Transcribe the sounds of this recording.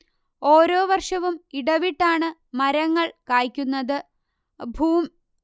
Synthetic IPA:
o̞ːɾoːʋɐrʂɐʋumiɽɐʋiʈːaːɳɨmɐɾɐŋːɐɭkaːjkʲːunːɐðɨ | bʱuːm

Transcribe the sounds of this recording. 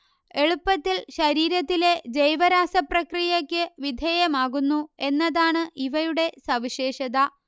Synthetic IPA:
e̞ɭupːɐt̪ːilɕɐɾiːɾɐt̪ːile̞d͡ʑejʋɐɾaːsɐprɐkrijɐkʲːɨʋid̪ʱeːjɐmaːɣunːue̞nːɐðaːɳɨʔiʋɐɾuɽe̞sɐʋiɕe̞ːɕɐðɐ

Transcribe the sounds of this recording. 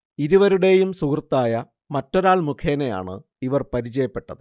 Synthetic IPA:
iɾuʋɐɾuɽe̞jumsukrt̪ːaːjɐ | mɐtːo̞ɾaːɭmukʰeːneja̰ːɳɨ̰ | iʋɐrpɐɾit͡ɕɐjɐpːe̞ʈːɐðɨ

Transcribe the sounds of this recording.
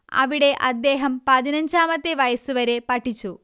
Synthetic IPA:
ɐ̰ʋiɽe̞ʔɐ̰d̪ːeːɦɐmpɐðinɐɲd͡ʑaːmɐt̪ːeʋɐjɐsuʋɐɾepɐʈʰːit͡ɕːu

